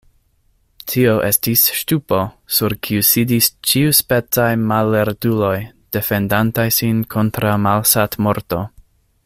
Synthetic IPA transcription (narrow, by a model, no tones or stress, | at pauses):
tʰio̞ʔe̞stisʃtupo̞suɾkʰiusidist͡ʃiuspe̞t͡sajmalːeɾdulo̞jd̥e̞fe̞ndantajsinkʰo̞ntɾamalsatmo̞ɾto̞